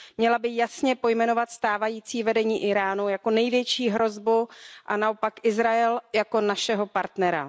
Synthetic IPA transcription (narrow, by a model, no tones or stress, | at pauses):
mɲɛlabɪjasɲɛpo̞jmɛno̞vat̪st̪aːvajiːt͡siːvɛdɛɲiːʔɪɾaːnujako̞nɛjvjɛt͡ʃiːɦɾo̞zbuʔanao̞pakʔɪzɾaɛljako̞naʃɛɦo̞paɾt̪nɛɾa̰